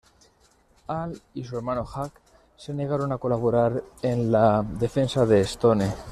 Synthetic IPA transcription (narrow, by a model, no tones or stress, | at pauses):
alisue̞ɾmanoxak | se̞ne̞ɣ̞aɾo̞nako̞laβoɾaɾe̞nlaðe̞fe̞nsaðe̞ːst̪o̞ne̞